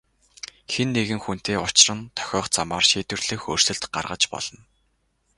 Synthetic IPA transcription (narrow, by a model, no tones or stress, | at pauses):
xenːeɣɘ̆ŋxun̥t̪eːʊt͡ɕrə̆nt̪ʰœ̥xʲɔːχt͡samaːrʃiːt̪wɘ̆rɮ̥ɘ̆xoːr̥sɵ̆ɮt̪ɢa̰rʁə̆t͡ɕpɔ̰ɮ̥ɞ̆n